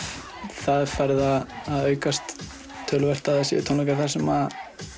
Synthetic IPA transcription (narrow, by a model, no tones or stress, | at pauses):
θaðfajɾɪðaðːðœːɥkast̪ʰː | œːlvɛr̥t̪aðasɛ̰t̪ʰonɔkaɾθaɾ̥sɛma